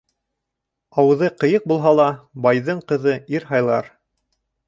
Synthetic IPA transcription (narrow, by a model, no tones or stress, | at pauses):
ɑwɤ̆ðɤqɤ̆jɤq̚bulˠɦɑlˠɑbɑjðɤɴqɤ̆ðɤiɾɦɑjlˠɑɾ